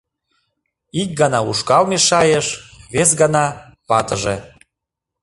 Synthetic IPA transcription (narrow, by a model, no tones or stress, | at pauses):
ik̚ɡɑnɑuʃkɑlmeʃɑjeʃβes̬ɡɑnɑpɑt̪əʒe